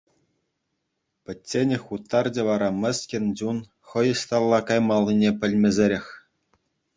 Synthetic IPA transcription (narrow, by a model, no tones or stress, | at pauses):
pʲɘ̆tʲːenʲɘ̆xʲut̪ːɑrd͡ʑʲĕʋɑɾɑmʲɘ̆sʲkʲɘ̆nʲd͡ʑun | χɤ̆jɤ̆ɕt̪ɑlˠːɑkɑjmɑlʲˠːinʲepʲɘ̆lʲmʲɘ̆zʲeɾʲexʲ